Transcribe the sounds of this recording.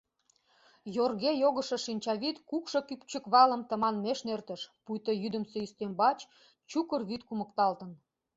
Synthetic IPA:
jorɣejoɣəʃə̆ʃinʲt͡ɕɑβit̪kukʃokyk̚t͡ɕəkβɑləmt̪əmɑnmeʃnert̪ə̆ʃpujt̪ojyd̪əmseyst̪embɑt͡ɕ | t͡ɕukərβit̪kumə̆kt̪ɑlt̪ə̆n

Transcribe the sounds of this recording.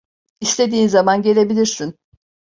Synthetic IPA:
ist̪ʰe̞d̪iːnzamanɟe̞lʲe̞bilʲiɾsin

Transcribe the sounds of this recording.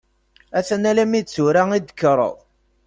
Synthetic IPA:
æθænælæmit͡sːuɾaŋid̪ə̥kːɾˤə̰ðˤ

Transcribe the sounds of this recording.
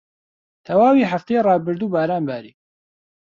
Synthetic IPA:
t̪ʰɐwaːwiːħaft̪eːjːrˤɑːbɨɾd̪uːbaːɾaːnbaːɾiː

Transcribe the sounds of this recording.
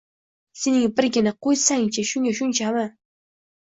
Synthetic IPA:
sɪnɪŋpɪɾɡʲɪnaqojsaŋt͡ʃaʃʊŋaʃʊnt͡ʃama

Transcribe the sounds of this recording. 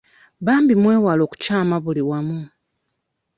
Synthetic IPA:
βaːmbimwe̞ːwalo̞ːku̥caːmaβuliwamu

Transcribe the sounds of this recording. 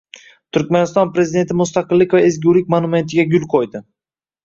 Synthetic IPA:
t̪ʰʊɾkʲmanɪst̪ɒnpɾe̞zɪd̪e̞nt̪ʰɪmʊst̪aqɨlːɪkʲvaezɡʲuwlɪk̚ʲmanʊme̞nt̪ʰɪɡʲaɡʲʊlˠqʰojd̪ɪ

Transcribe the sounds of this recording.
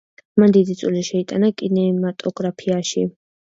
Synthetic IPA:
mand̪id̪it̪sʼuliʃɛit̪ʼa̰nakʼinɛmat̪ʼɔɡɾapʰiaʃi

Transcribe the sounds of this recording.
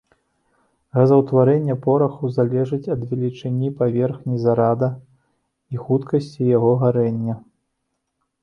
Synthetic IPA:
ɣɐzɐwt̪vaɾɛnʲːɐpɔɾɐxuzalʲɛʐɨt͡sʲɐd̪vʲɛlʲit͡ʂɨnʲipavʲɛrxnʲizaɾad̪ɐ | ixut̪kɐsʲt͡sʲijaɣɔɣaɾɛnʲːɐ

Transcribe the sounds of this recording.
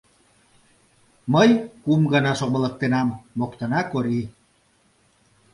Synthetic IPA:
məjkumɡənɑʃobələ̆k̚t̪enɑmːokt̪ənɑkoɾi

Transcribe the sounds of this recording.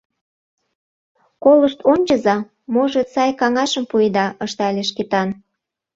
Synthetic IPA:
koləʃt̪ʰonʲt͡ɕəzɑ | moʒesɑjkɑŋɑʃə̆mpujd̪ɑʔəʃt̪ɑlʲeʃ̬ket̪ɑn

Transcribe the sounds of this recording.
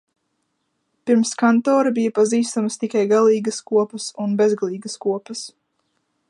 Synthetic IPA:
piɾmskant̪ɔːɾɐbijapaziːst̪amst̪ikajɡalˠiːɡəskuɔpəsunbɛzɡalˠiːɡəskuɔpəs

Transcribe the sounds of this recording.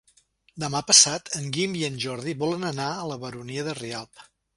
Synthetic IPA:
d̪əmapəsat̪ʰəŋɡimiənʲʒɔɾðiβɔlənənaələβəɾuniəðərialˠp̚

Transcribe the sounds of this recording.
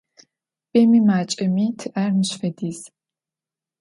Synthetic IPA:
pʼeːmiːmaːt͡ʃʼɐmiːtʰɨʔarnɨɕfɐdiːz

